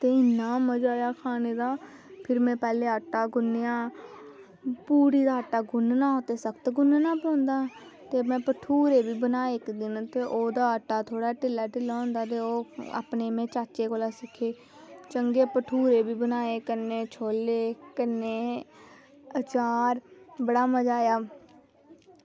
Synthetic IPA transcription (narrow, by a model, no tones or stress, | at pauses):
t̪eːɪnːaːməd͡ʒaːjaːkʰaːneːd̪aː | pʰɪɾmɛ̃ːpɛːleːəʈːaːɡʊnːjaː | puːɾiːd̪aːəʈːaːɡʊnnãːoːt̪eːsəkt̪ɡʊnnãːpəõːnd̪aː | t̪eːmɛ̃ːpəʈʰuːɾeːbiːbənaːeːɪkd̪ɪnt̪eːʔoːd̪aːəʈːaːt̪ʰoːɽaːʈɪlːaːʈɪlaːõːnd̪aːt̪̬eːoːa̰ːpneːmɛ̃ːt͡ʃaːt͡ʃeːkoːlaːsɪkʰeː | t͡ʃəŋɡeːpəʈʰuːɾeːbiːbənaːeːkəneːt͡ʃʰoːleːkəneː | ət͡ʃaːɾbəɽaːməd͡ʒaːjaː